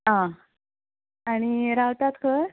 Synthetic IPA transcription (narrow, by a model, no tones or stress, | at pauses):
ɦã | aɽ̃iɾawt̪at̪kʰəɾ